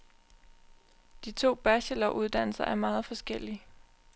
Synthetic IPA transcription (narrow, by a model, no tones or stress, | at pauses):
d̥it͡sʰo̝̰ːb̥æɕəlɒʊʔuð̞ˠd̥æn̰l̩sɐʔæɐmɑ̈ːð̞̩ˠfɒ̽sɡ̥el̰i